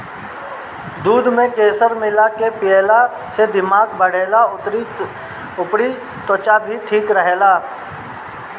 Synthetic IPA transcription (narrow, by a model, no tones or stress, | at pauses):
d̪uːd̪mẽkeːsəɾmɪlakepɪɛla | sed̪ɪmaːɡbəɽ̤eːlaʊt̪ɾi | ʊpɽi | t̪ot͡ʃabʱiʈʰiːkɾəɦelaː